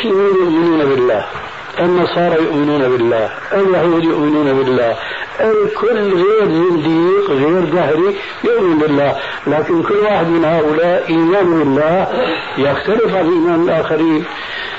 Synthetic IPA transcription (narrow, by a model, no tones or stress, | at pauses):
ənænjʊʔmənunæbəlːæh | ʔənːɑsˤɑɾˤɑjʊʔmənunæbəlːæh | ʔæljhəwəljʊʔmənunæbəlːæh | ʔəlkʰʊlːɣiɾzɑnd̪iqɣiɾd̪ahɾi | jʊʔmənbəlːæh | lækənkʊlːwaħəd̪mənhaʔʊlaʔʔiːmanbəlːæh | jəxt̪aləfʕallʔiːmanəlʔaːxəɾiːn